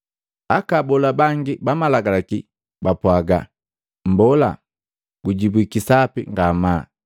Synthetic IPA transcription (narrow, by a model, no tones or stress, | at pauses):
akabɔlabaŋɡibamalaɡalaki | bapwaɡa̰ | mbɔla̰ | ɡ̥uɟibwikisapḭŋɡama